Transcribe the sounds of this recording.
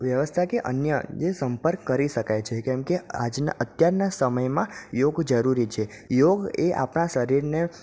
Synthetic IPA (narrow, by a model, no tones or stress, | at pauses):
ʋjəʋəst̪ʰakeʔə̰njəd͡ʒesəmpəɾkːəɾiʃəkajt͡ʃʰekɛ̃mkead͡ʒna̰ʔət̪jaɾnasəməjmãjoɡd͡ʒəɾuɾit͡ʃʰe | joɡeʔa̰pɳaʃəɾiɾne